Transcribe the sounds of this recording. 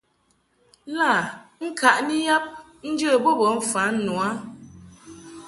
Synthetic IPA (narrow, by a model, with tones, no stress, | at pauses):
la˦˨ŋ̩˦ka˨ʔni˦ja˦p̚ | n̩˦d͡ʒə˦˨bo˦bə˨˦ɱ̩˦fa˨˦nu˨a˦